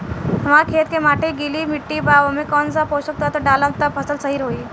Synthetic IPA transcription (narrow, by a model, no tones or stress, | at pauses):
makʰet̪̚kemaʈʰeɡiliːmiʈːiːbaʋəmikɔnt͡sapoɕək̚t̪at̪əɖalənt̪əpʰəsəlsəɦiːɾɦoi